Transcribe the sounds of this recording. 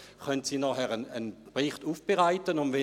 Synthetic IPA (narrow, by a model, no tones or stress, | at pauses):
χœntsiːnɔχɛʁənənpʁɪχtuːfb̥eʁaɪtənʊndʋe